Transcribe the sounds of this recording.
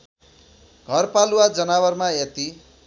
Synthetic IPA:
ɡʱʌrpaluwad͡zʌnaβʌrmaet̪i

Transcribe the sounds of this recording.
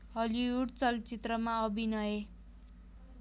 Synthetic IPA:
ɦʌliuɽt͡sʌlt͡sit̪rʌmaʌbʱinʌje

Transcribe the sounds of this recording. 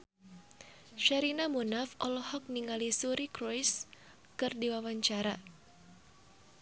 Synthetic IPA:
ʃaɾinamunafɔlɔhɔk̚niŋalisuɾikɾɔjs | kɨrdiwawaɲt͡ʃaɾa

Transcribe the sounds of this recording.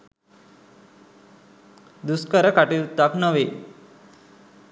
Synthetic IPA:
d̪uskəɾəkaʈiɾut̪ːaknəʋe

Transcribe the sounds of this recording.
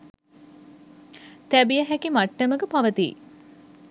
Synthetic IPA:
t̪æbijəɦækimaʈːəməɡəpaʋət̪ḭ

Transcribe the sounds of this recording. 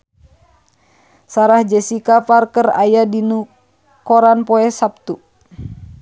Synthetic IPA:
saɾahd͡ʒɛsikaparkəra̰jadinu | kɔɾanpɔɛsap̚t̪u

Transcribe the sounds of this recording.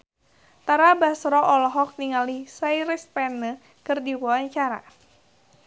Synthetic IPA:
t̪aɾabasɾɔʔɔlɔɦɔk̚niŋalisajɾispɛnə | kɨrdiwuaɲt͡ʃaɾa̰

